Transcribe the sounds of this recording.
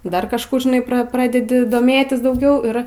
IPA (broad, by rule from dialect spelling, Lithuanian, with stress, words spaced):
ˈdɐr kɐʃˈkuː ʒʲɪˈnɐɪ prɐ ˈprɑːdʲɛdʲɪ doːˈmʲeːtʲɪs dɐʊˈɡʲɛʊ ˈɪr